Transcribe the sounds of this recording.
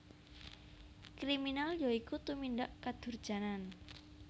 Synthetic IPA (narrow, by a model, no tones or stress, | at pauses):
kɾiminaljaikut̪uminɖaʔkad̪̥ʊ̤rd̥ʒ̥a̤nan